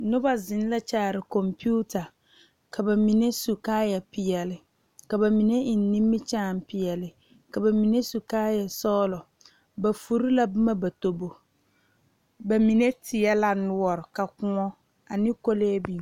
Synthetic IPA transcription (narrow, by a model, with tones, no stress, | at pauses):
nʊ˦ba˦zɪ˨n˦la˦t͡ʃaː˦˨ɾɪ˨kɔ˨mpuː˦ta˨ | kʰa˨ba˨mi˨ne˦su˨kaː˦jɛ˨pɪ˨jɛ˨lɪ˨ | ka˨ba˨mi˨ne˦ɪ˨n˦ni˦mːɪ˦t͡ʃaː˦˨m˦pɪ˨jɛ˨lɪ˨ | ka˨ba˨mi˨ne˦su˨kaː˦jɛ˨sɔː˦lɔ˨ | ba˨fu˨ɾi˦la˦bʊ˦ma˦ba˨to˨bo˨ | ba˨mi˨ne˦tʰɪ˨ɛ˦la˦nʊ˦ɔ˦˨ɾɪ˨ka˨kʊ˨ŋɔ˦ | a˨nɪ˦ko˦le˦bi˦˨